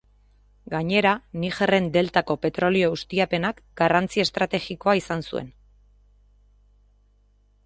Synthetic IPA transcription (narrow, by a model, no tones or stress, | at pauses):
ɡaɲe̞ɾaniʝere̞nd̪e̞lt̪ako̞pe̞t̪ɾo̞lio̞ust̪iape̞nakɡ̥arant͡siest̪ɾat̪e̞ɣiko̞aisansue̞̰n